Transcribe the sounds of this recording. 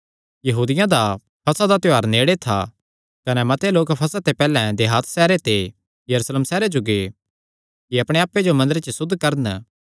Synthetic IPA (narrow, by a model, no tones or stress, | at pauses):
jɐɦuːd̪ɪjãd̪a | pʰɐsad̪at̪ɪaːɾneːɽet̪ʰa̰ | kɐnɛmɐt̪eloːkpʰɐsat̪epɛːlɛ̃d̪eɦaːt̪sɛːɾet̪e | jɐɾuːsleːmsɛːɾed͡ʒoɡe | kiɐpɽ̃eaːpːed͡ʒomɐ̃nd̪əɾet͡ʃəsʊd̪ʱːkɐɾən